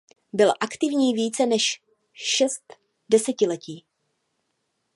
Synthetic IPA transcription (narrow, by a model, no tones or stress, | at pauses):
bɪlʔakt̪ɪvɲiːviːt͡sɛnɛʃ | ʃɛst̪ | dɛsɛcɪlɛciː